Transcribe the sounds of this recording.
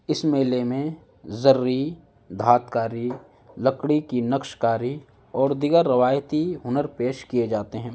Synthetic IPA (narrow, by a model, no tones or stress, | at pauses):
ɪsmeːlemẽ | zɐɾːi | d̪ʱaːt̪kaːɾi | lɐkɽikinɐkʃkaːɾi | ɔːɾd̪ɪɡəɾːɐʋaːjt̪iɦʊnəɾpeːʃkied͡ʒaːt̪eɦɛ̃ː